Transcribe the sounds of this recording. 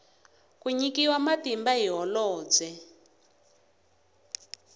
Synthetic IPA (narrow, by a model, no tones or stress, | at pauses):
kuɲikiwamatimbaɦiɦɔlɔːd͡zɛ